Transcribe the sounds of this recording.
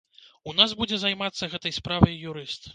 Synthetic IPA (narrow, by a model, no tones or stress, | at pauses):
unazbud͡zʲɛzajmat̪sːɐɣɛt̪ɐjspɾavɐjːuɾɨst̪